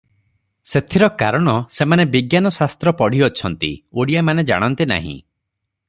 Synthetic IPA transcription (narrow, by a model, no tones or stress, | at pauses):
set̪ʰiɾɔkaɾɔɽ̃ɔsemanebiɡjanɔsast̪ɾɔpɔɽ̤iɔt͡ʃʰɔn̪t̪ḭoɽijamaned͡ʒa̰ɽ̃ɔnt̪ina̰ɦḭ̃